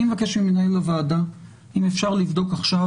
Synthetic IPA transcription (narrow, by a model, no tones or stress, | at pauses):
imevakeʃmimenaelavaːda | imefʃaʁlivd̪o̞kaχʃav